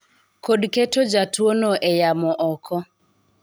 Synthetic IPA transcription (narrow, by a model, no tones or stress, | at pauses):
kodketod͡ʒatwonoʔejamɔʔɔkʰɔ